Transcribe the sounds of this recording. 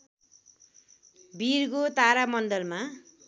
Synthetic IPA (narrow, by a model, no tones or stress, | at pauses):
birkot̪aɾamʌndʌlma